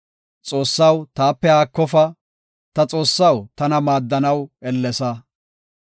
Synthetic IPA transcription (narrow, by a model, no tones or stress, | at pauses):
t͡sʼo̞ːsːɐwt̪aːpːɛhaːkːɔfɐ | t̪ɐt͡sʼo̞ːsːɐwt̪ɐnɐmaːd̪ːɐnɐwɛlːɛsɐ